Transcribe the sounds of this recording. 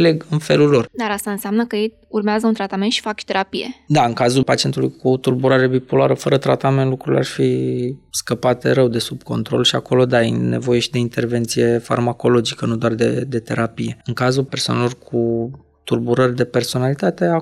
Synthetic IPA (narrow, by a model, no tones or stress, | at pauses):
le̞ɡɨnfe̞lulːo̞rd̪aɾast̪aɨnseamnəkəjej | urmeazəunt̪ɾat̪ame̞nt̪ʃi̥fakʃi̥t̪e̞ɾʔapije̞̰d̪aɨŋkazulpat͡ʃie̞nt̪ulujkʰut̪urbuɾaɾebipoloaɾəfəɾət̪ɾat̪ame̞nlukɾulḛa̰rfiskəpat̪eɾəwd̪e̞sub̚ko̞nt̪ɾo̞̰lʃiako̞lo̞d̪ajḛne̞̰vo̞je̞ʃid̪e̞int̪e̞rve̞nt̪sije̞fa̰rmako̞lo̞d͡ʒikənud̪oard̪ḛd̪e̞t̪e̞̰ɾapije̞ɨŋkazulpersoa̰nelo̞rkʰu | t̪urbuɾərʲd̪e̞pe̞rso̞nalit̪at̪e̞a